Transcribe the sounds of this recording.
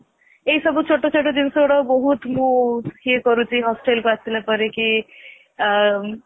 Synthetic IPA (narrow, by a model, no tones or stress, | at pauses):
ejsʌbut͡ʃʰoʈot͡sʰoʈ̬od̪insoɽʌbɔɦut̪mohiekʌɾut͡sʰiɦɔsʈelkoast̪ilapʌɾeki